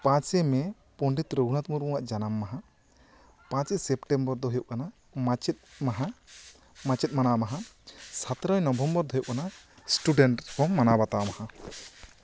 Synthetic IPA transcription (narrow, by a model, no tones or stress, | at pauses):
pãt͡ʃɛmɛ | pɔɳɖit̪ɾoɡʱunat̪̚muɾkɔ̃waʔd͡ʒanamːaɦa | pãt͡ʃɛsɛpʈɛmbɔɾd̪ɔɦɔjɔʔkana | mat͡ʃt̪̚maɦa | mãt͡ʃɛt̪̚manamaɦasat̪ɾɔjnɔbʱɔmbɔɾd̪ɔɦjuʔkanasʈuɖɛɳʈkɔmːanabat̪amaha